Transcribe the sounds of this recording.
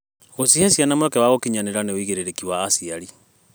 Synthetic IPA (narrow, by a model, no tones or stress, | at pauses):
ɣosihesjanamwɛkɛwaɣokiɲaneɾaneoiɣeɾeɾekiwaːsiaɾi